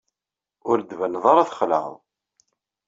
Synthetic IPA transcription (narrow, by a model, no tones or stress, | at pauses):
ʊɾd̪vænðˤɑɾˤaθχlə̰ʁ̰